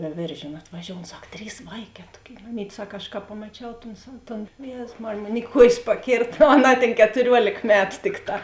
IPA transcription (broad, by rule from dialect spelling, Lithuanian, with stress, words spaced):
ʋʲɛːˈʋʲeːrʲʒʲeːnʊ ɐtʋɐˈʒʲoːʊn ˈsɐk ˈtʲrʲiːs ˈʋɐɪˌkʲɛː ˈtuɔˌkʲeːɪ mɐˈmʲiːt ˈsɐk ɐʃ kɐ pɐmɐˈt͡ʃʲɛʊ toːn sɐw ˈtoːn ˈjeːzʊs ˈmɑːrʲeːj ˈmoːn ɪ ˈkuɔjeːs pɐˈkʲeːrt oː ɐˈnɑː tʲeːn kʲɛtʊˈrʲuɔlʲeːk ˈmʲæːtʊ ˈtʲɪkˌtɑː